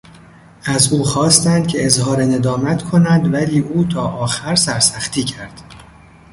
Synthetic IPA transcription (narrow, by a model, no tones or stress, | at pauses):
ʔæzuːxɒːst̪ænd̪̥̚cʰeezhɒːɾene̞d̪ɒːmæt̪ʰkʰo̞nænd̪væliːʔuːt̪ʰɒːʔɒːxæɾsæɾsæxt̪ʰiːcʰæɾd̪̥